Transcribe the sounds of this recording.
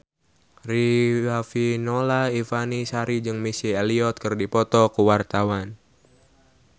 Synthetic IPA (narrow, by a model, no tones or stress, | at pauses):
riwafinolaifanisaɾid͡ʒɨŋmisieliɔt̪̚kɨrdipɔt̪ɔkuwart̪awan